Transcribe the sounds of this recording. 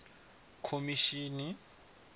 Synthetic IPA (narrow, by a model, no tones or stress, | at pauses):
kʰomiʃiːni